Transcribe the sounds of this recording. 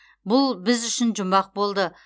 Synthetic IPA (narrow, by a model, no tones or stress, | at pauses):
bʊlˠbɪzʏʃɪnʒʊmbɑq̚bo̞lˠd̪ə